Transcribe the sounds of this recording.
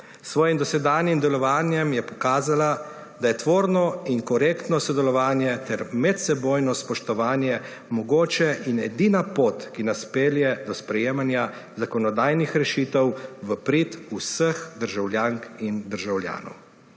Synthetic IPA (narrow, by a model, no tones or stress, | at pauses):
sʋɔːjimd̪ɔsɛd̪aːnjimd̪ɛlɔʋaːnjɛmjɛpɔ̥kaːzala | d̪ajɛt̪ʋoːɾnɔiŋkɔɾeːkt̪nɔsɔd̪ɛlɔʋaːnjɛt̪ɛɾmɛt̪sɛboːjnɔspɔʃt̪ɔʋaːnjɛ | mɔɡoːt͡ʃɛʔinɛd̪iːnapoːt̪kinaspeːljɛd̪ɔspɾɛjeːmanja | zakɔnɔd̪aːjnixɾɛʃiːt̪ɛwʋəpɾit̪usəxd̪əɾʒawlʲjaŋkind̪əɾʒawlja̰ːnɔ̰w